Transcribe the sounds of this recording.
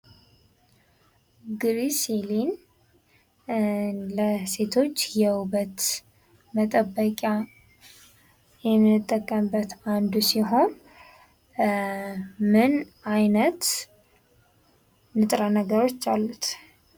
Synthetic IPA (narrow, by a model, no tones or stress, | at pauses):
ɡɾiselin | ləse̞t̪ʰo̞t͡ʃːjɛwubət̪ | mət̪ʼəbːəkʼja | jɛmɨt̪ʼːəkʼːəmbːət̪and̪usiɦo̞n | mɨnajnət̪ | nɨt̪ʼɾanəɡəɾo̞t͡ʃːalːut̪